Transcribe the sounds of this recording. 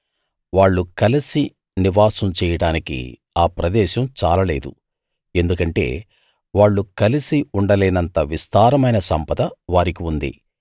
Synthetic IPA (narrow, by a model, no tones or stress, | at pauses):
ʋaːɭːukɐlisi | niʋaːsɐmt͡ʃɛːjɐɽaːnikḭ | aːpɾɐd̪ɛːʃɐmt͡ʃaːlɐːle̞ːd̪ṵ | e̞nd̪ukɐɳʈe̞̰ː | ʋaːɭːukɐlisiuɳɖɐleːnɐnt̪ɐʋist̪aːɾɐmɐjnɐsɐmpɐt̪ɐʋaːɾik̬iund̪ḭ